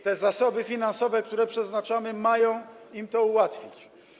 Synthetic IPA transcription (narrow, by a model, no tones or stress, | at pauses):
t̪ɛzasɔbɘfʲinansɔvɛk̚t̪uɾɛpʂɛznat͡ʂamɘmajɔ̃w̃ | imt̪ɔuwat̪fʲit͡ɕ